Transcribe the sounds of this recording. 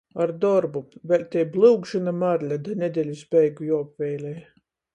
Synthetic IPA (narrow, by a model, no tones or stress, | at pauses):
aɾd̪ɔɾbuvʲɛlʲt̪ʲɛjblˠɨwɡʒɨnamaɾlʲad̪anʲed̪ʲɛlʲusbʲɛjɡujɔɔpvʲɛjlʲɛj